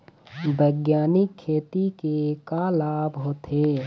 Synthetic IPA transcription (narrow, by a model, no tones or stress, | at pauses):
bʱəjɡjaːnɪkʰːeːt̪ikekalaːbɦoːt̪ʰeː